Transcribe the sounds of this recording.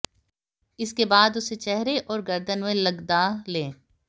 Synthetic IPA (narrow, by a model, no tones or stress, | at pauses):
ɪskebaːd̪ʊset͡ʃɛɦɾeʔɔːɾɡɐɾd̪ənmẽlɐɡd̪aːlẽː